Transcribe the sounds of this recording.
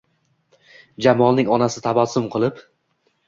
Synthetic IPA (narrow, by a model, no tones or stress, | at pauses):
d͡ʒamɒlˠnɪŋɒnasɪt̪ʰabasʊmqʰɨlˠɪp